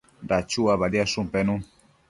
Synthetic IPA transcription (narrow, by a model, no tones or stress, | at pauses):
dat͡ʃuaβaɾiasũmpenũ